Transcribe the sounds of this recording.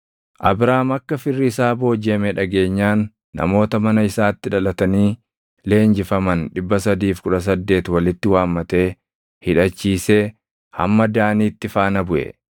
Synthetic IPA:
ʔɐbɾaːmɐkːɐfɪrːɪɪsaːbo̞ːd͡ʒeːmɛᶑɐɡe̞ːɲːaːnː | ɐ̰mo̞ːt̪ɐmɐnɐɪsaːt̪ːɪᶑɐlɐt̪ɐniː | le̞ːnd͡ʒɪfɐmɐnᶑɪbːɐsɐd̪iːfkʊᶑɐs̬ɐd̪ːe̞ːt̪wɐlɪt̪ːɪwaːmːɐt̪e̞ː | hɪᶑɐt͡ʃːiːse | hɐ̰mːɐd̪aːniːt̪ːɪfaːnɐbʊʔɛ̰

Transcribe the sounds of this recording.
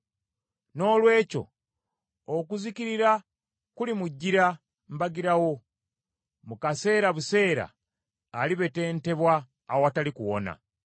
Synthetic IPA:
no̞ːlwe̞ːco̞̰ː | kuziciɾiɾa | kulimuɟːiɾa | m̩baɡiɾawo̞ | mukase̞ːɾaβuse̞ːɾa̰ː | liβe̞te̞ːnte̞βwaː | woatalikuwo̞̰na̰

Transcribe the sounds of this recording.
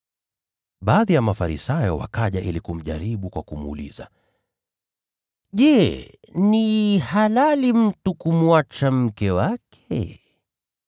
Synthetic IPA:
ɓaːðijamafaɾisajɔwa̰kaʄaʔilikum̩ʄaɾiɓukwakumuṵlḭza | ʄɛ | nihalalim̩tukumuat͡ʃam̩kɛwakʰɛ

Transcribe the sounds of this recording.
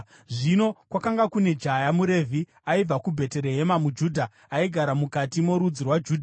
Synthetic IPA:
ʐino̞kwakaŋɡakune̞d͡ʒajamuɾe̞vʱi | aib͡vakubʱe̞te̞ɾeɦe̞mamud͡ʒuːdʱa | aiɡʱaɾamukatimo̞ɾud͡zirwad͡ʒuːdʱa

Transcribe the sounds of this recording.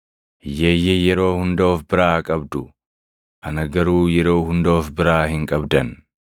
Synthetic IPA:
jeːjːɛjɛɾo̞ːhʊnd̪oːfbɪɾaːkʼɐbd̪ʊ | hɐnɐɡɐɾuːjɛɾo̞ːhʊnd̪oːfbɪɾaːhɪŋkʼɐbd̪ɐn

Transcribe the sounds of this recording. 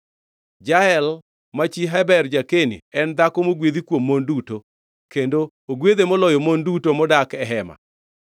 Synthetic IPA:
d͡ʒaɛl | mat͡ʃiɦɛbɛrd͡ʒakenḭɛnd̪akomoɡwed̪ikwomːonduto | kendo | oɡwed̪emɔlɔjɔmondutomɔdakɛɦɛma̰

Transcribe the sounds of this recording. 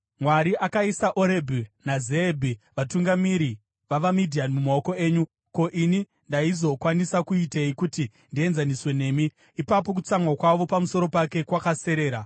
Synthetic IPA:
mwaɾiʔakaisaʔoɾebʱunazeːbʱiʋatuŋɡamiɾi | ʋaʋamidʱianmumao̞ko̞e̞ːɲu | ko̞ʔini | ndaizo̞kwanisakuiteikuti | ndie̞nzaniswe̞ne̞ːmiː | papo̞k̬ut͡samwakwaʋo̞pamuso̞ɾo̞pake̞kwakase̞ɾe̞ːɾa

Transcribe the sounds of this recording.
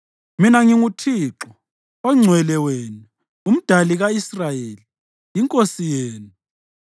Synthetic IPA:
minaŋiŋutʰiːǁɔ | ɔŋ͡ǀʱwɛlɛweːnu | um̩d̥ʱaliɣaisrajeli | jiŋkʼosijeːnu

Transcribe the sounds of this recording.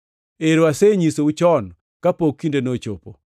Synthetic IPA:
eɾoaseɲisout͡ʃɔn | kapokːindenot͡ʃo̰po̰

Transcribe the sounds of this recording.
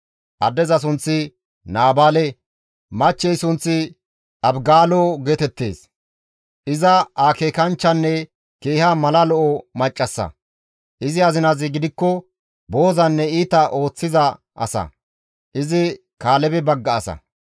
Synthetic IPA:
ʔɐd̪ːɛzɐs̬ʊnt͡sːɪ | naːbaːlɛ | mɐt͡ʃːɛjsʊnt͡sːɪ | ɐbɡaːlɔɡeːt̪ɛt̪ːe̞̰ːs | ʔɪzɐaːkeːkɐnt͡ʃːɐnːɛ | keːhɐmɐlɐlɔʔɔmɐt͡ʃʼːɐsːɐ̰ | ʔɪzɪɐzɪnazɪɡɪd̪ɪkːɔ | bo̞ːzɐnːɛiːt̪ɐʔo̞ːt͡sːɪzɐ | ʔɐ̰sɐ̰ | ʔɪzɪ | kaːlɛbɛbɐɡːɐːsɐ̰

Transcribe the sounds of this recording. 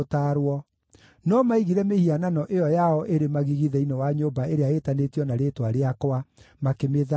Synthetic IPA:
taːɾwɔ | nɔmaiɣiɾɛmehiananɔʔeɔjaɔʔeɾemaɣiɣiðɛinɔwaɲoːbaeɾeaetanetijɔnaɾeːtwaɾeakoamakemeða

